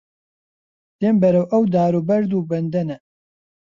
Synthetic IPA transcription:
d̪̥eːmbɛɾɐwʔɐwd̪aːɾubɐɾd̪uːbɛnd̪ɛnɛ

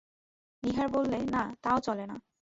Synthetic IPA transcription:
niɦaɾbolːenat̪aot͡ɕɔlena

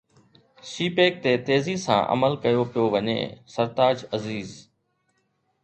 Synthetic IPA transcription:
siːpeːk̚t̪eːt̪eːziːsã̰ːʔə̰məlkəjoːpɪjoːʋəɲḛːsəɾt̪aːd͡ʒəziːz

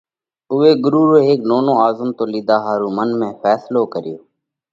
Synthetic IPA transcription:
ʊʋeːɡʊɾuːɾoːɦeːk̚noːnõːaːzəmt̪oːliːd̪aːɦaːɾuːmənmẽːfɛːsloːkəɾɪjoː

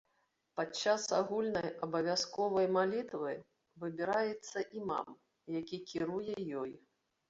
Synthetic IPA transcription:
pat͡ʂːasaɣulʲnɐjɐbɐvʲaskɔvɐjmalʲit̪vɨ | vɨbʲiɾajɛt̪sːɐʔima̰m | jakʲikʲiɾujɛjɔj

